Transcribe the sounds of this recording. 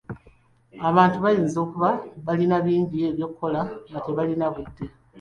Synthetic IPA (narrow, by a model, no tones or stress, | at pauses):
aβaːntuβajiːnzo̞ːkuβaβalinaβiːɲɟie̞βjo̞kʰːo̞laŋɡate̞βalinaβudːe̞